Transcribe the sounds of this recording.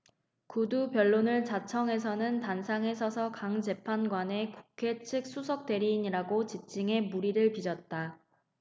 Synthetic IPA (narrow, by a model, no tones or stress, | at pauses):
kudupjʌɭːonɯɭt͡ɕat͡ɕʰʌŋɦe̞s̬ʰʌnɯntansʰaŋe̞s̬ʰʌsʰʌkaŋt͡ɕe̞pʰanɡwane̞kukʰe̞t͡ɕʰɯk̚s͈ʰus̬ʰʌk̚t͈e̞ɾiːɲiɾaɡot͡ɕip̚t͡ɕ͈iŋe̞muɾiɾɯɭpid͡ʑʌt̚t͈a